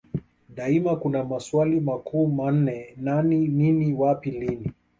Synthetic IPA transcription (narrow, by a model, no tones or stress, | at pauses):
ɗaimakunamaswalimakʰuːman̩nɛnanininiwapilini